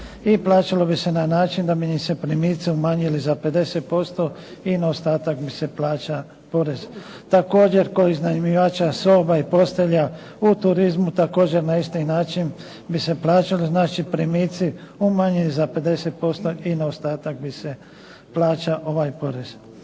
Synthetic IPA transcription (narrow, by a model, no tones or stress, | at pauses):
iplˠaːt͡ʃalo̞bise̞nanaːt͡ʃind̪abinise̞pɾimiːt̪siumaɲilizape̞d̪e̞set̪̚po̞st̪o̞ | inaost̪aːt̪akbise̞plaːt͡ʃa | po̞ɾez̥ | t̪ako̞ːd͡ʑe̞ɾkod̪iznanimiʋaːt͡ʃasoːbaipo̞st̪eʎa | ut̪uɾizmut̪ako̞ːd͡ʑe̞ɾnaist̪inaːt͡ʃin | bise̞plˠaːt͡ʃaliznaːt͡ʃipɾimiːt̪siumaɲilizape̞d̪e̞set̪̚po̞st̪o̞inaost̪aːt̪ak̚bise | plaːt͡ʃaʔo̞ʋajpo̞ɾez̥